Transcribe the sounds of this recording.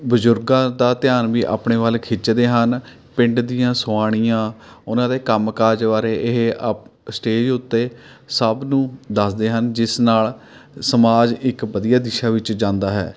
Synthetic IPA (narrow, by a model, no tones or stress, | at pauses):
bʊzʊɾɡãːd̪aːt̪ɪjaːnʋiːʔa̰ːpɳeːʋəlkʰɪt͡ʃd̪eːɦən | pɪ̃ɳɖd̪ijãːsʊaːɽ̃ijãːʊnãːd̪eːkəmkaːd͡ʒʋaːɾeːʔɪɦeəpsʈeːd͡ʒʊt̪ːeː | səbnũːd̪əsd̪eːɦənd͡ʒɪsnaːlsəmaːd͡ʒɪkbəd̪ijaːd̪ɪʃaːʋɪt͡ʃd͡ʒãːnd̪aːɦɛ̰ː